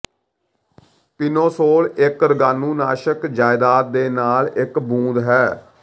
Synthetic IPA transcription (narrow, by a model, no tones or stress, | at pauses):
t̪ɪnõːsoːlɪkɾəɡaːnũːna̰ːʃəkd͡ʒaːɪd̪aːt̪̚d̪eːnaːlɪkbũːd̪ɦɛː